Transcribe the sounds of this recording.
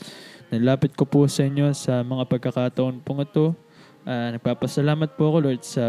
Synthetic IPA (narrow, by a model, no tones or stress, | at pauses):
nɐlaːpɪt̪̚kopusɐʔɪɲjo̞sɐmɐŋapɐɡ̚kːɐkaːt̪ɐʔo̞npʊŋɪt̪o̞ | ʔaːnɐɡ̚paːpɐsɐlaːmɐt̪̚puɐko̞loɹd̪sɐ